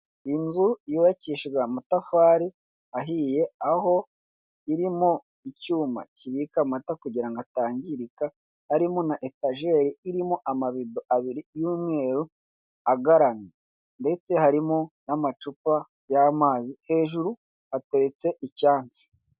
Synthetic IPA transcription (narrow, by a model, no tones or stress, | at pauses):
inzuiβaciʃɡamutafaːɾi | aɦiːje̞aho̞ | iɾimo̞ | icuːma̰ciβikamatakuɟiɾaŋɡataːɲɟiɾika | haɾimo̞naʔetaʒe̞ɾiiɾimoʔamaβidoʔaβiɾijuːmŋe̞ːɾu | aɡaɾane | nde̞t͡se̞haɾimo̞namat͡ʃupa | jamaːzihe̞ːʒuɾu | hate̞ɾe̞t͡se̞ʔicaːnt͡si̥